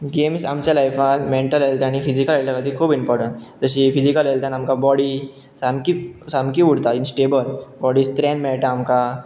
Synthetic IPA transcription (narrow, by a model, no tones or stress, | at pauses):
ɡemsamt͡ɕalajfalmẽɳʈəlɦelt̪aɽ̃ifid͡ʑikəlelt̪akət̪ikʰuːbimpɔɾʈə̃ɳʈd͡zəɕifid͡ʑikəlɦelt̪anamkabɔɽi | samkisamkiuɽt̪ainsʈebəlbɔɽist̪ɾẽnmɛɭʈaːmka